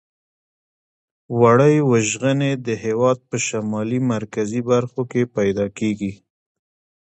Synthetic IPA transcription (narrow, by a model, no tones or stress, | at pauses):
waɽəjwəʒɣəned̪əɦewɑd̪̚pəʃamɑlimaɾkazibaɾxokepajd̪ɑkeɡi